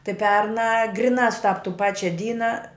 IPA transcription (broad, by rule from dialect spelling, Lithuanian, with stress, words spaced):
tɐɪ ˈpʲɛrnɑː ˈɡrʲɪnɑː sʊˈtɐp tuː ˈpɑːt͡ʃʲɛ ˈdʲiːnɐ